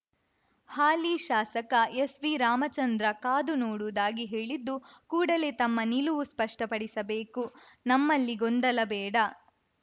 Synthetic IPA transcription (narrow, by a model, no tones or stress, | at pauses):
haːliʃaːsɐkɐesʋiɾaːmɐt͡ʃɐnd̪ɾɐkaːd̪unoːɽud̪aːɡiɦe̞ːɭid̪ːukuːɽɐle̞t̪ɐmːɐniluʋuspɐʂʈɐpɐɽisɐbeːku | nɐmːɐlːiɡond̪ɐlɐbɛːɽɐ